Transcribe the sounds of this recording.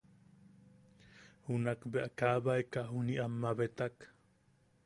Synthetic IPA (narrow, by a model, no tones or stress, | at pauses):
hunakbeʔakabaekaʔɦuniʔamːaβet̪ak